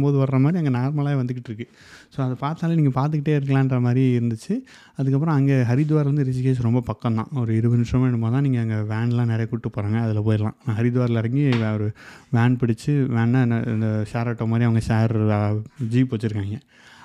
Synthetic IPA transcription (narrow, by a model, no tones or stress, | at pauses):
boːðɯʋɐɾɾɐmaːd̪ɾiɐŋɡenaːɾmɐlaːjeʋɐnd̪ɯkːɪʈːɪɾɯkːɯ | soːɐðɐpaːɾt̪aːlɐniːŋɡɐpaːɾt̪̬ɯk̬ːɪʈːeːɪɾɯk̬ːɐlãːɪndrɐmaːd̪ɾiɪɾɯnd̪ɯt͡ʃːɯ | ɐðɯkːɐp̬ːɯɾɔ̃ɐŋɡeːɦɐɾɪd̪ɯʋaːɾʋɐnd̪ɯɾɪsɪkeːsɾɔmbɐpɐkːɐ̃nd̪ã̰ːɔɾɯɪɾɯʋɐnʂɐʋeːɳɯmpoːðɐt̪ãːniːŋɡɐɐŋɡɐʋeːɳlãːnɛɾɐjɐkʊʈːɯpːoːɾaːŋɡɐːðɪlɐpoːjɪɾlã̰ːnãːɦɐɾɪd̪ɯʋaːɾlɪɾɐŋɡiɔɾɯʋaːɳpɪɽɪt͡ʃːɯʋeːɳɐɪ̰nd̪ɐsaːɾaːʈːoːmaːd̪ɾiɐʋɐŋɡɐsaːɾ | d͡ʒiːpoːt͡ʃːɪɾɯkːaːŋɡɐ